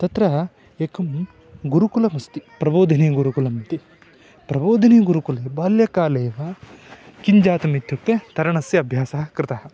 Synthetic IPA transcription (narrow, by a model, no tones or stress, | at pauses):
t̪ɐt̪ɾɐ | ekɐm | ɡuɾukulɐmɐst̪ipɾɐboːd̪ʱɐneːɡuɾukulɐmt̪i | pɾɐboːd̪ʱɐniːɡuɾukuleːbaːljɐkaːleːʋɐ | kiɲd͡ʒaːt̪ɐmit̪ʰjuk̚t̪et̪ɐɾɐɳɐsjɐɐbʱjaːsɐɐkɾɪt̪ɐɦɐ̆